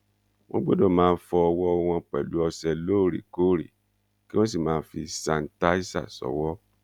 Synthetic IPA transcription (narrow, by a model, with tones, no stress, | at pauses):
w̃ɔ̃˦ɡ͡bo˦do˦˨mãː˦˧n̩˦fɔ˧ɔ˧wɔ˦ɔ˧w̃ɔ̃˧k͡pɛ̰˨lu˨˦ɔ˧sɛ˧loː˦˨ɾi˨ko˦˨ɾḭ˨ | ki˦w̃ɔ̃˦s̬i˦˨mãː˨˦fi˧sã˧n̩˦ta˦i˦sa̰˦˨sɔ̰˨wɔ˦